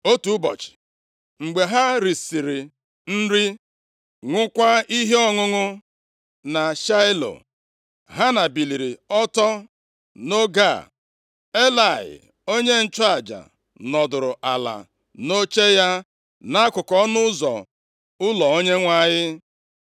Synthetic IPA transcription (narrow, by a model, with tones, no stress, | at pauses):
o˦tu˨˦bɔ̰˨t͡ʃɪ̥˨ | ŋ͡m̩˨ɡ͡be˨ɦa˦ɾi˨si˨ɾi˨ | n̩˦ɾi˦ | ŋʷʊ˦kʷa˦i˦ɦe˦ɔ˦ŋʊ˦ŋʊ˦ | na˨ʃa˦ɪ˦lo̰˨ | ɦa˦na˨bi˨li˨ɾi˨ɔ˦tɔ˦ | no˦ɡa˦˨ | e˦la˨ɪ̰˨ | o˦ɲe˦n̩˦t͡ʃɔ˦a˨d͡ʒa̰˨ | nɔ˨dʊ˨ɾʊ˨ʔa˨la̰˨ | no˦t͡ʃe˦ja˦ | na˦kʊ˨kɔ˦nʊ˦ʊ˦zɔ̰˨ | ʊ˦lɔ˨o˦ɲe˦ŋʷa˦˨ɲɪ˦